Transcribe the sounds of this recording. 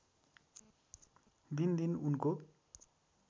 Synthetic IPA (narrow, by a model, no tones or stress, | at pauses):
d̪ind̪inunko